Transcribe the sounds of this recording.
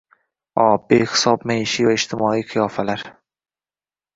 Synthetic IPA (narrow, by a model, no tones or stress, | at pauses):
ɒbehɪ̥sɒb̚majɪʃivaɪd͡ʒt̪ʰɪmɒiqʰɨjɒfalaɾ